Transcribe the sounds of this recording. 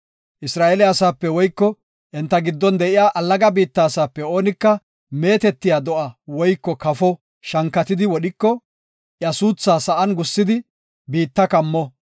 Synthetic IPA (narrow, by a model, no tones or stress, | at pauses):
ʔɪsɾaːʔɛlɪɐsaːpːɛwɔjkːɔ | ʔɛnt̪ːɐɡɪd̪ːɔnd̪ɛʔɪjaːʔɐlːɐɡɐbiːt̪ːaːsaːpːɛo̞ːnɪkːɐ | me̞ːt̪ɛt̪ːɪjaːd̪ɔʔɐwɔjkːɔkɐfɔ | ʃɐŋkːɐt̪ɪd̪ɪwɔɗɪkːɔ | ʔjɐsuːt͡sːaːsɐʔɐnɡʊsːɪd̪ɪ | biːt̪ːɐkɐmːɔ